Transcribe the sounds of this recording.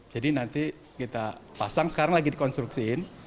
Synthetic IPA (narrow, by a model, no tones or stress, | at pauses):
d͡ʒadinant̪i | kit̪apasaŋsə̥kaɾaŋlaɡidikɔnst̪ɾuksiɪn